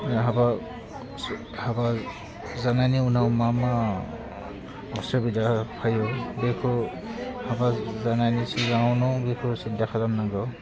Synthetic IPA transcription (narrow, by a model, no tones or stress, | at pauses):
ɦaba | haba | zanajniunawmama | ɔsɔbidapʰajɔbekʰɔ | habazanajnisizawnɔbekʰusintakʰalamnaɡɔ